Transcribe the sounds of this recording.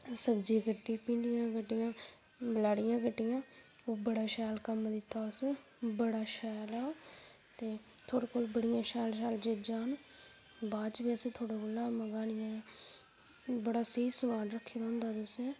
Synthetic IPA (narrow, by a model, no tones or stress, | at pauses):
səbd͡ʒiːkəʈiːpĩːɳɖijãːkəʈːɪjãː | bəlaːɽɪjãːkəʈːɪjãːoːbəɽaːʃɛːlkəmd̪ɪt̪ːaːʊs | bəɽaːʃɛːlaː | t̪eː | t̪ʰoːɽekoːlbəɽɪjãːʃɛːlʃ̬ɛːld͡ʒeːd͡ʒaːn | baːt͡ʃbeːset̪ʰoːɽaːkʊlãːməɡaːɽɪjãː | bəɽaːsiisəmaːɖɾəkʰːeːd̪aɦʊ̃nd̪aːt̪ʊsẽː